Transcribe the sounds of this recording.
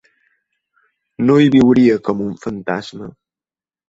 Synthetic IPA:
noibiwuɾijəkəmuɱ̩fən̩tasmə

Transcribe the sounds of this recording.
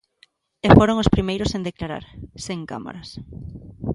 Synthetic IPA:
efoɾoŋʊspɾimejɾʊsẽnd̪eklaɾa̰ɾseŋka̰ma̰ɾɐs

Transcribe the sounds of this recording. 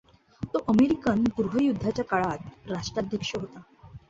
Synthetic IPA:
t̪oʔəmeɾikənpuɾʋ̤əjud̪ʱːat͡ɕjakaɭat̪ɾaʂʈɾad̪ʱjəkʂəɦot̪a

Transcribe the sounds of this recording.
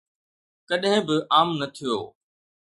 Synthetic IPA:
kɐɗɦɪ̃bɪʔaːmnɐt̪ʰijo̰ː

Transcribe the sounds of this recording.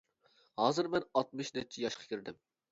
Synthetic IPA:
hɑːzɨɾmɛnɑt̪̚mɨʃnɛt͡ʃʰɛjɑʃqʰɑ̥kʲʰiɾd̪ɪm

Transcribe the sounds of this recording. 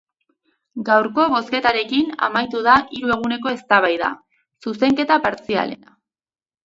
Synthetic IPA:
ɡawɾko̞βo̞ske̞t̪aɾe̞kina̰majt̪uðaʔiɾue̞ɣ̞une̞ko̞e̞st̪aβajða̰ | suse̞ŋke̞t̪apaɾt͡sia̰le̞̰na

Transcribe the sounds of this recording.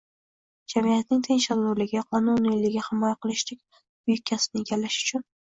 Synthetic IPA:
d͡ʒamijat̪nɪŋt̪ʰeŋʃad̪ʊɾlɪɡʲɪqʰɒnʊnilɪɡʲɪhɪmɒjaqɨlˠɪʃlɪk̚ʲ | bʊjɪkʲʰːasɪnɪeɡʲalːaʃʊ̥t͡ʃʰʊn

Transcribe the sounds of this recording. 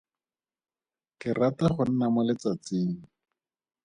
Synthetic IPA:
kɪrataχʊn̩namʊlɪt͡sat͡sɪːŋ̩

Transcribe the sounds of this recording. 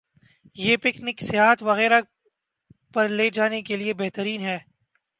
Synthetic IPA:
jeːpɪknɪksɪɦaːɦət̪ʰʋɐɣɛːɾa | pɐɾleːd͡ʒaːnekeliebɛɦt̪əɾiːnɦɛː

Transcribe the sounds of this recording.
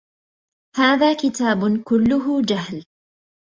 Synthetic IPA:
haːðaːkɪt̪aːbʊkʊlːʊɦʊd͡ʒaɦl

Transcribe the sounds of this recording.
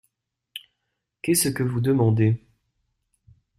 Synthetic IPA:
kɛsəkəvud̪əmɑ̃d̪e

